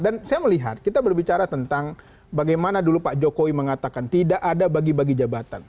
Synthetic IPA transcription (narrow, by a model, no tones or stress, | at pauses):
dansajaməliɦa̰t̪̚kit̪abərbit͡ʃaɾat̪ənt̪aŋ | baɡajmanadulupaʔd͡ʒokowiməŋat̪akant̪idaʔadabaɡibaɡid͡ʒabat̪a̰n